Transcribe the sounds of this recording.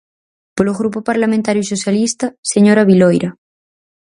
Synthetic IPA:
poloɣ̞ɾupopaɾlamẽnt̪aɾjusosjalist̪aseɲoɾaβilojɾa

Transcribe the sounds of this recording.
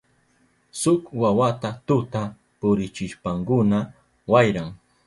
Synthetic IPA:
sʊkwawat̪at̪ʊt̪a | pʊɾɪt͡ʃɪʃpaŋkʊna | wajɾaŋ

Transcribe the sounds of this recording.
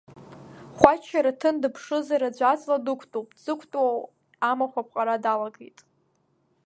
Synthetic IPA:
χʷat͡ʃʰːaɾatʰɨndɨpʰʂɨzaɾad͡ʒʷat͡sʼladɨkʷʰtʼopʼz̥ɨkʷʰtʼwaw | amaχʷapʰqʼaɾadalaɡejtʼ

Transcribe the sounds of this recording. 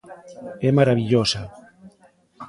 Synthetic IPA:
emaɾaβ̞iʎosa

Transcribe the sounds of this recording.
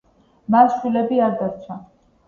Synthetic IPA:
masʃwilɛbiaɾd̪aɾt͡ʃʰa

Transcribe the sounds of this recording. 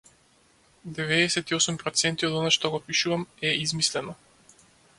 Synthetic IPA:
d̪ɛvɛːsɛt̪iɔsumpɾɔt̪sɛnt̪iɔd̪ɔnaʃt̪ɔɡɔpiʃuvamɛizmislɛnɔ

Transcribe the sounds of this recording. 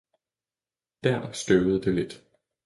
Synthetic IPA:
d̥æɐ̰sɡ̥øʊð̩ˠəd̥e̝le̝d̥

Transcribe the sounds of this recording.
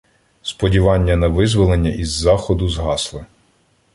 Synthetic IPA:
spɔdʲiʋɑnʲːɐnɐʋɪzʋɔlˠenʲːɐʔizːɑxɔd̪ʊzɦɑslˠɪ

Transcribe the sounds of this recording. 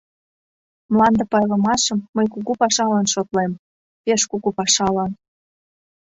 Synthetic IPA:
mlɑnd̪ɤ̆pɑjlə̆mɑʃəmːəjkuɣupɑʃɑlɑnʃot̪lem | peʃkuɣupɑʃɑlɑn

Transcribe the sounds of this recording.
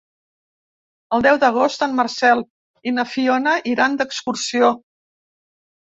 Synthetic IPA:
əlˠd̪ɛwd̪əɣ̞ost̪ənmːərsɛlˠ | inəfionəʔiɾand̪əkskursio

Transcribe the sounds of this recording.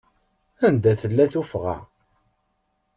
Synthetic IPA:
ænd̪æθəlːæθufʁæ̰

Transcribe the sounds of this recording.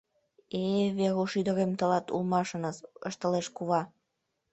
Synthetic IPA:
eβeɾuʃyd̪ə̆ɾemt̪ə̆lɑt̪ṵlmɑʃə̆nəsə̰ʃt̪ə̆leʃkuβɑ

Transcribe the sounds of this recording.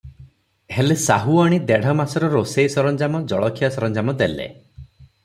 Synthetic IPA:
ɦelesaɦuaɽ̃id̪eɽ̤ʱɔmasɔɾɔɾosejsɔɾɔnd͡ʒamɔd͡ʒɔɭɔkʰijasɔɾɔnd͡ʒamɔd̪elḛ

